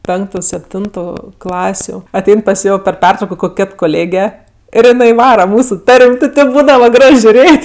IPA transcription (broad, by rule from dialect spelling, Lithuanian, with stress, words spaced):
ˈpʲɛŋktʊ sʲɛpʲˈtʲɪntʊ ˈklˠɑːsʲʊ ɐˈtʲɛɪn pɐs ˈjoː pʲɛr ˈpʲɛrtrɐʊkoː ˈkoːkʲ ˈkʲeːt koːˈlʲeːɡʲɛ ɪr jɪˈnɐɪ ˈʋɑːrɐ ˈmuːsʊ ˈtɐrʲmʲ tʲɪ ˈtʲeːp ˈbuːdɐʋɐ ˈɡrɐʃ ʒʲʊˈrʲeːtʲ